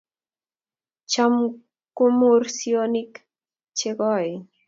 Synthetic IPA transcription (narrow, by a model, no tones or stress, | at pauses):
t͡ʃam | kʊmʊɾsjonɪk | t͡ʃeɢɔj